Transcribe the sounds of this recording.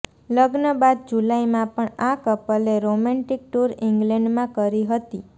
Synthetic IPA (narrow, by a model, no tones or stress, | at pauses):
ləɡnəbad̪̚d͡ʒulaimãpəɳakəpəleɾomɛ̃ɳʈik̚ʈuɾiŋɡlɛɳɖmãkəɾiɦət̪i